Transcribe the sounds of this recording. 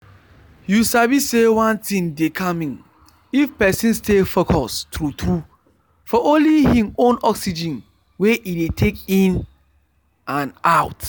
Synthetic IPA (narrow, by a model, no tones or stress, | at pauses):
jusabisewãntʰĩŋdekʰamĩŋ | ifpɛsĩnstefokʰɔstɹutʰɾu | fɔʔõnlihĩmõnɔksid͡ʒĩn | weʔidetʰekĩn | ãnaʊt